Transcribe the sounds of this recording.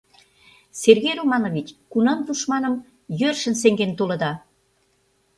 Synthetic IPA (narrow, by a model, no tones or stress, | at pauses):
serɣeɾumɑnoβʲit͡ɕʲkunɑnt̪uʃmɑnə̆m | jørʃə̆nseŋɡent̪olə̆d̪ɑ